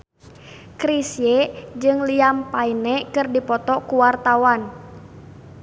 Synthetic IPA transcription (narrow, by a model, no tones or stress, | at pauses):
kɾisjed͡ʒɨŋliampainɛkɨrdipɔt̪ɔkuwart̪awan